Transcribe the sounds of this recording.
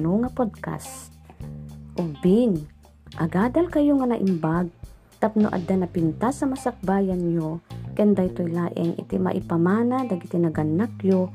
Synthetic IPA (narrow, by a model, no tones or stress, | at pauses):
noŋɐpod̪̚ka̰st | ʔʊɡ̚bin | ʔɐɡaːd̪ɐlkɐjoŋɐnɐʔɪmbaɡ̚ | t̪ap̚noʔɐ̰d̪anɐpɪnt̪asɐmɐsɐk̚baːjɐnɲokɛnd̪ajt̪ojlaːʔɛŋʔɪ̰t̪imɐ̰ʔɪpɐmaːnad̪ɐɡɪt̪ɪnɐɡɐnːakjo